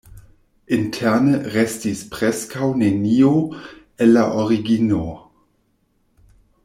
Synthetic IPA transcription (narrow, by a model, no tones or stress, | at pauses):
intʰeɐnəɾestispɾeskawnenio | enːaʔoɾiɡino